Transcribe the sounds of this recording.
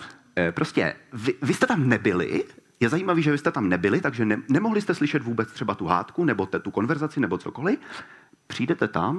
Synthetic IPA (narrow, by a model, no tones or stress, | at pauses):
pɾo̞scɛ̰vɪvɪst̪ɛt̪amnɛbɪlɪ̰jɛzajiːmaviːʒɛvɪst̪ɛt̪amnɛbɪlɪt̪aɡʒɛɛnɛmoɦlɪst̪ɛslɪʃɛt̪vuːbɛt͡st̪r̝ɛbat̪uɦa̰ːt̪kunɛbo̞t̪ɛt̪uko̞nvɛɾzat͡sɪnɛbo̞t͡soko̞lɪ | pr̝̥iːdɛt̪ɛt̪a̰m